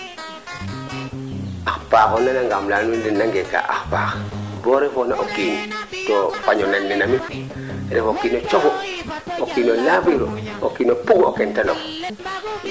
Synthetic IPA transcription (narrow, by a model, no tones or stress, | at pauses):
axpaːxonanaŋɡamlanundinːaŋɡeka̰ːʔa̰xpa̰ːxboɾefonaʔokiːn | tofaɲonanːenami | ɾefokiːnot͡ʃokookinolapiɾookːiːnopuɡo̰kentalo̰k